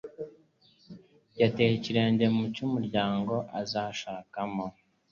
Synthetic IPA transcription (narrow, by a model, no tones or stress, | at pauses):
jateiciɾe̞ːɲɟe̞mucumuɾɟaːŋɡo̞ʔazaʃaːkamo